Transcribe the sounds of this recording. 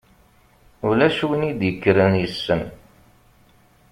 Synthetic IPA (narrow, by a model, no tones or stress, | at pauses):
ʊlæʃuwənid̪jəkːɾənjəsːən